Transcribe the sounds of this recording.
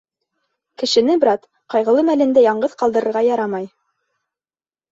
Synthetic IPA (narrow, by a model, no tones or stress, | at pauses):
kɘ̆ʃɘ̆nɘbɾɑt̪ | qɑjʁɤ̆lˠɤmælɘ̆nd̪æjɑɴɢɤðqɑlˠd̪ɤ̆ɾɤ̆ɾʁɑjɑɾɑmɑj